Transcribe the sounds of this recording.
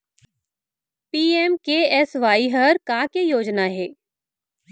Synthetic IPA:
piːɛmkeɛsʋaːiɦəɾkaːkejoːd͡ʒnaɦɛː

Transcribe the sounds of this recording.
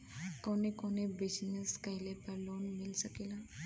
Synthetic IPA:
koːnekoːnebɪd͡ʒnəskɐɦɪlepɐɾloːnmɪlsəkeːlaː

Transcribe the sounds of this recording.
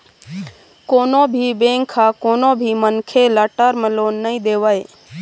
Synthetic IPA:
koːnobʱibẽːŋkʰakoːnõbʱimənkʰelaʈəɾməloːnːəĩd̪eːʋaːe

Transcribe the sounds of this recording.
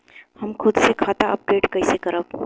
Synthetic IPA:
hɐmkʰʊd̪sekʰaːt̪aɐp̚ɡeːʈkɐisekɐɾək

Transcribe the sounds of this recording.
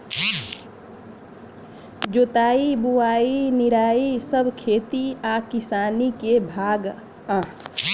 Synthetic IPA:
d͡ʒoːt̪aːibuaːinɪɾaːisəbʱkʰeːt̪iakɪsaːnikebʱaːɡ | ãː

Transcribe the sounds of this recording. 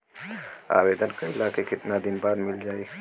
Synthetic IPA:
a̰ːweːd̪ənkəilaːkekɪt̪nad̪ɪnbaːd̪mɪld͡ʒaːi

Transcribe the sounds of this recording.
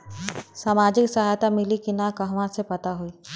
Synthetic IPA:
saːmaːd͡ʒɪksɐɦaːjt̪amɪlikinakɐɦʋãsepɐt̪aɦuiː

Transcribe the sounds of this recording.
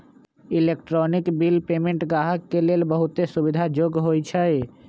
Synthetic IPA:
ilekʈɾɔnikbilpemẽɳʈɡaɦəkːelelbəɦut̪esubid̪ʱad͡ʒoɡɦojt͡ʃʰə

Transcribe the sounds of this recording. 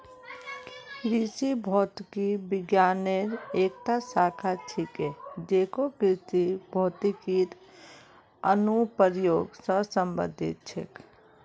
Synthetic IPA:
kɾisibʱɔːt̪kibɪɡjaːneɾeːk̚ʈ̪asaːkʰaʈʰiked͡ʒeːkokɾisibʱɔt̪ikit̪ | ənupəɾjoːɡsəsəmbə̰d̪ʱḭt̪̚t͡ʃʰḛk

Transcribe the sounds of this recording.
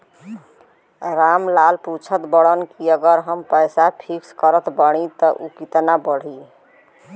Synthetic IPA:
ɾamlalput͡ʃʰət̪bəɽənkiəɡəɾɦəmpəjsapʰikskəɾət̪bəɽ̃it̪ɔʔukit̪nabəɽ̤i

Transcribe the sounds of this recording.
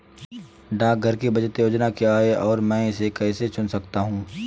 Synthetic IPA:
ɖaːk̚ɡʱɐɾkibɐd͡ʒət̪joːd͡ʒnakiaːeɔːɾmɛ̃ːɪsekɛːset͡ʃʊnsɐkt̪aɦũː

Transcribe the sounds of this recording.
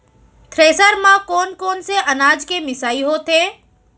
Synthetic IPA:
t̪ʰɾeːsəɾmãkɔːnkɔːnseʔɐnaːd͡ʒkemɪsaːiɦoːt̪eː

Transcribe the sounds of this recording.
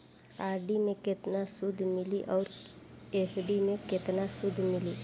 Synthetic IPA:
aːɾɖimẽkɪt̪nasʊd̪ʱmɪliʔɔːɾ | eːpʰɖimẽkɪt̪nasʊd̪ʱmɪliː

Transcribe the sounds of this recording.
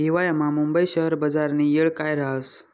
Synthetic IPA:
ɦiʋajamamumbəiɕəɦəɾbəd͡zaɾniːjeɭkajɾaəs

